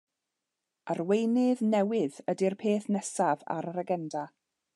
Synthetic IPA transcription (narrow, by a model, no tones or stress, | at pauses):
ʔərwejnɪðnɛwɪðədirpʰeːθnɛsava̰ɾəɾaɡɛnda